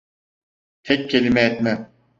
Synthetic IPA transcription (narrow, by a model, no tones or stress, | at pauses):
hʰɛcːelʲimɛːt̪mɛ